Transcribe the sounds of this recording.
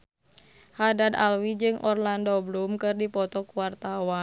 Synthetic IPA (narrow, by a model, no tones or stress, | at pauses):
hadad̪a̰lwid͡ʒɨŋʔɔrlandɔblumkɨrdipɔt̪ɔkuwart̪awa